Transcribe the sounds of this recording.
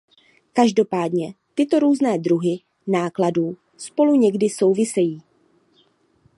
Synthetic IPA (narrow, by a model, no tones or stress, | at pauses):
kaʒdo̞paːdɲɛt̪ɪt̪o̞ɾuːznɛːd̪ɾuɦɪ | naːkladuː | spo̞luɲɛɡdɪso̞wvɪsɛjiː